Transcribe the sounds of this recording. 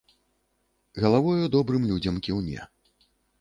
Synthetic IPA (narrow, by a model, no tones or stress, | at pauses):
ɣɐlˠavɔjud̪ɔbɾɨmlʲud͡zʲɐmkʲiwnʲɛ̰